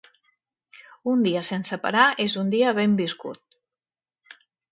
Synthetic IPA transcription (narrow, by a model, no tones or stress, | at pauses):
und̪iəsensəpa̰ɾaezund̪iəβembiskṵt̪̚